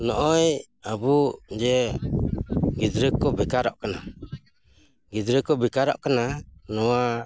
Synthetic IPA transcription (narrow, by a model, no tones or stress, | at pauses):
nɔʔɔj | abud͡ʒɛ | ɡidɾəkːɔbɛkaɾɔʔkɛna | ɡidɾəkːɔbɛkaɾɔ̰ʔkɛnanɔwa